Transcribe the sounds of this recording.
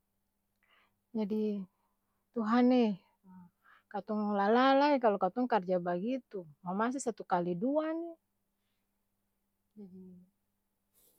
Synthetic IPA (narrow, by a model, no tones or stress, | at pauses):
d͡ʒadi | t̪uɦanɛ | kat̪ɔŋlalalaikalɔkat̪ɔŋkard͡ʒabaɡit̪umamas̬isat̪ukaliduani | d͡ʒadi